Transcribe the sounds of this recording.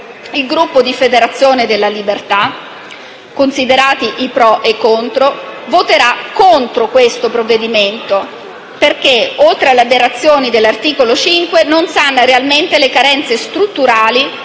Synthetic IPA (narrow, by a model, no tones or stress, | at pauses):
ilɡɾupːod̪ifed̪eɾat̪sːjoːned̪elːalibert̪a | kːonsid̪eɾaːt̪iʔipɾɔʔekːont̪ɾovot̪eɾakːont̪ɾokwest̪opɾovːed̪iment̪o | perk̟eolt̪ɾealeabeɾat̪sːjoːnid̪elːart̪iːkolot͡ʃiŋkwenonsanːaɾealment̪elekaɾɛnt̪sest̪ɾut̪ːuɾaːli